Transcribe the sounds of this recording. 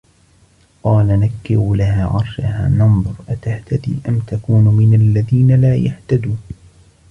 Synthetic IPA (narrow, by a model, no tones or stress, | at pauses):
qɑːlanakːɪɾʊlaɦaːʕɑɾˤʃaɦa̰ːnɑnd̪ˤʊɾʔat̪aht̪ad̪ḭːʔamt̪akuːnmɪnalːaðiːnalaːjaht̪ad̪uː